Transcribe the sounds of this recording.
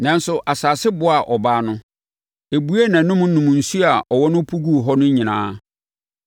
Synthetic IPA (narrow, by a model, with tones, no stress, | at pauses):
nã˨n˦sʊ˨ʔa˨saː˨sɪ˦bʊ˦a˨ʔɔ˨baː˦nʊ̃˦ | e˨bu˦e˦nã˨˦nʊ̃˦m̩˦nʊ̃˨m̃˨n̩˨su˦a˨ʔɔ˨wɔ˦nʊ̃˦pʰu˦ɡu˦˨ɦɔ˦nʊ̃˦ɲĩ˨nãː˦